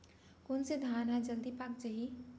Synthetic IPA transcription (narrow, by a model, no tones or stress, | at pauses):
konsed̪ʱanad͡ʒəld̪ipak̚d͡ʒəɦi